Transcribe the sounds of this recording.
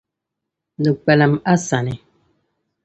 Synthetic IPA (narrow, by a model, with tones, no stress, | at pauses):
nə˨k͡pɛ˨la˨ma˦sa˨ni˨